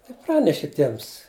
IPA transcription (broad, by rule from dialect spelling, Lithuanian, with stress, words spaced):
ɪˈprɑːnʲɛʃʲɪ ˈtʲiɛms